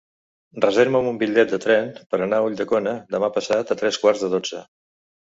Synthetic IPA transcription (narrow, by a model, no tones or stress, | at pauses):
rəzeɾməmumbiʎːɛt̪̚d̪ət̪ɾɛnpəɾənauʎd̪əkɔnəd̪əmapəsat̪ət̪ɾɛskwaɾzðəðod͡zə̰